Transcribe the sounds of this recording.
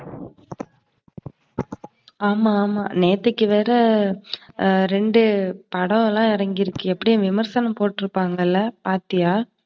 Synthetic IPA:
aːmaːma̰ːneːt̪ːɯkːɯʋeːɾɐ | ɾɛɳɖɯpɐɽɐʋlãːɪɾɐŋɡɪɾɯkːɯɛpːɐɽɪjɐ̃ʋɪmɐɾsɐnɐmpoːʈːɪɾɯpːaːŋɡɐɪlːɐpaːɾt̪ɪjaː

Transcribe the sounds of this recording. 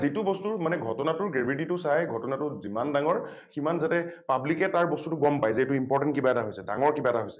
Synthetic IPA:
zitʊbɔstuɹmanɛɡʱɔtɔnatʊɹɡɹebʱit̬itʊsajɡʱɔtɔnatʊzimandaŋɔɹ | ximanzatɛpablikɛtaɹbɔstutʊɡɔmpajzɛtʊimpɔɹtɛ̃nt̚kibaɛtaɦojsɛda̰ŋɔɹkibaɛtaɦojsɛ̥

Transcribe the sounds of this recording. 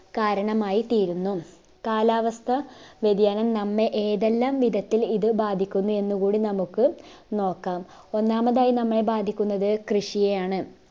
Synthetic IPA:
kaːɾɐɳɐmaːjit̪iːɾunːu | kaːlaːʋɐst̪ʰɐʋed̪jaːnɐmnɐmːe̞ʔeːðelːaːmʋid̪ʱɐt̪ːiliðɨbaːd̪ʱikʲːunːue̞nːukuːɽinɐmukːɨ | no̞ːkːaːm | o̞nːaːmɐðaːjinɐmːɐɭe̞baːd̪ʱikʲːunːɐðɨkrɨʂijejaːɳɨ

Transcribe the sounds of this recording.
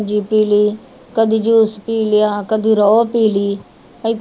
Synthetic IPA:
d͡ʒiːpiːliː | kəd̪iːd͡ʒuːspiːljãːkəd̪iːɾɔːpiːliː | əi

